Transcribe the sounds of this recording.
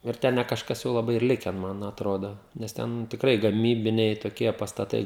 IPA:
ɪr ˈtʲɛn nʲɛ kɐʃˈkɐs jɛʊ lˠɐˈbɐɪ ɪr ˈlʲɪkʲɛn ˈmɐn ɐtˈroːdoː nʲɛs ˈtʲɛn tʲɪkˈrɐɪ ɡɐˈmʲiːbʲɪnʲɛɪ toːˈkʲiɛ pɐstɐˈtɐɪ

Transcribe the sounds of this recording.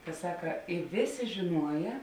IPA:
kɐ ˈsɑːkɐ ɪ ˈʋʲeːˌsʲeː ʒʲɪˈnuɔjɛ

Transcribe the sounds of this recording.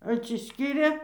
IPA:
ɐtʲsʲɪˈsʲkʲiːrʲeː

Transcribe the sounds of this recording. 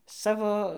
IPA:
ˈsɑːʋoː

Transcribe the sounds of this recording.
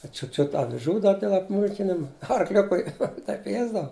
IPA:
dɐ ˈt͡ʃʲʊt ˈt͡ʃʲʊt ɐʋʲɪˈʒuː ˈdɐr dʲeːlˠ ɐpˈmuːlʲkʲɪnʲɪm ɐrˈklʲʊkʊɪ ˈtɐɪp ɪ ˈjiɛzdɐʋɐ

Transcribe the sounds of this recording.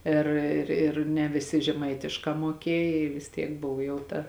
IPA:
ˈɪr ɪr ɪr nʲɛ ʋʲɪˈsʲɪ ʒʲɛˈmɐɪtʲɪʃkɑː muɔˈkʲiɛj ɪ ʋʲɪs ˈtʲiɛk ˈboːw jɛʊ ˈtɐ

